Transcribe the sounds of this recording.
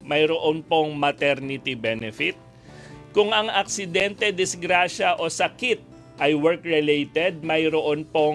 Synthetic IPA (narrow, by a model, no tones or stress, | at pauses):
mɐjɾoʔonpo̞ŋmɐt̪ɛɾnɪt̪ibɛnɛfɪt̪̚ | kʊŋɐŋɐk̚sɪd̪ɛnt̪ɛd̪ɪsɡɾaʃɐʔo̞sɐkɪt̪̚ | ʔɐjwɛɹkɹɛlejt̪ɛd̪̚mɐjɾoʔonpo